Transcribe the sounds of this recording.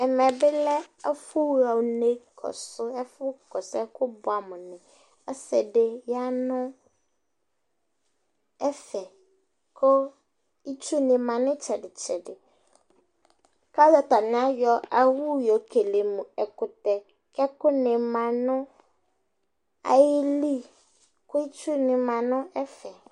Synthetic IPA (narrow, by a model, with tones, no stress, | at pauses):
ɛ˨mɛ˨bɪ˦lɛ˦ɔ˦fʊ˦wa˨wne˦kʰɔ̰˨sʊ˦ɛ˦fʊ˦kɔ˨sɛ˦kʊ˦bʊ˨a˨mʊ̃˨nɪ̃˨ | ɔ˦sɛ˨dɪ˨ja˦nʊ̃˦ | ɛ˦fɛ˨ | kʰʊ˦ | i˦t͡ʃu˦nɪ̃˨mã˨nʊ̃˦t͡ʃʰɛ˨dɪ˨t͡ʃʰɛ˨dɪ˨ | ka˦za˨ta˨nɪ̃˨˦a˦jɔ˦a˦wu˦jɔ˨kʰe˨le˨mũ˨ɛ˨kʊ˨tɛ˨ | kɛ˦kʊ˦nɪ̃˨mã˨nʊ̃˦ | a̰˨jɪ˦li˦ | kʰʊ˦i˦t͡ʃʰu˦nɪ̃˨mã˨nʊ̃˦ɛ˦fɛ˨